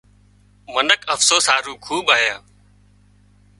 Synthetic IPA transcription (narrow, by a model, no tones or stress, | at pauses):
mənəkəfsoːsaːɾuːkʰuːɓaːjaː